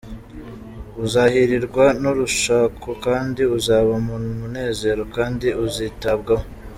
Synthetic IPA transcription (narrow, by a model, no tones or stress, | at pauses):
uzaːhiɾiɾɡwanuɾuʃaːkʰokaːndiuzaːβamunumune̞ːze̞ɾo̞kaːndiuziːtab̚ɡamo